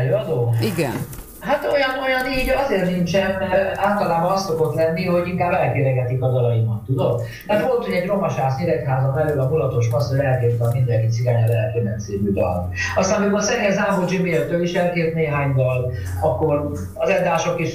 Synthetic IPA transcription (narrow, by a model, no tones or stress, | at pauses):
løːɒd̪oːiɡɛn | ɦat̪o̞jɒno̞jɒniːɟɒzeːrnint͡ʃɛnaːlt̪ɒlaːbɒnɒst̪soko̞t̪lɛnːiho̞ɟiŋkaːbɛlkeːlɛɡɛt̪ikɒd̪ɒlɒimɒt̪ːud̪o̞m | mɛrvo̞lt̪oɟɛɟro̞mɒʃaːsɲiɾɛkɦaːzɒmɛløːlɒmulɒt̪o̞ʃmɒsoɛlkeːrt̪ɒmind̪ɛŋkit̪siɡaːɲɒlɛɦɛt̪ønɛnsiːbyd̪ɒ̰ln | ɒst̪aːnimosɛɡ̪szaːɦod͡ʒimeːlt̪øːliʃɛlkeːt̪neːɦaːɲd̪ɒl | ɒkːor | ɒzɛd̪aːʃo̞kiʃ